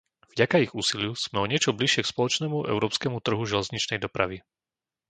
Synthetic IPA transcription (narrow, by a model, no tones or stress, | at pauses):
vɟakaiɣuːsilɪuz̥mɛɔɲɪɛt͡ʃɔbliʃɪɛkspɔlɔt͡ʃnɛmuʔɛ̰ʊɾɔːpskɛmut̪r̩ɦuʒɛlɛzɲit͡ʃnɛjd̪ɔpɾa̰ʋi